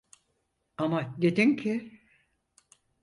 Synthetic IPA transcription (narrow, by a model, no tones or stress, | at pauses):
amad̪e̞d̪incʰɪ